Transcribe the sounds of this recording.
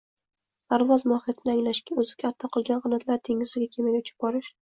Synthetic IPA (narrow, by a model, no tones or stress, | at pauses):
pʰaɾvɒzmɒhijat̪ʰɪnɪaŋlaʃkʲaɵzɪkʲʰat̪ʰːɒqʰɨlˠɡʲanʁɨnat̪ʰlaɾt̪ʰe̞ŋɪzɪɡʲakʲʰe̞majʲʊt͡ʃʰɪ̥p̚bɒɾɪʃ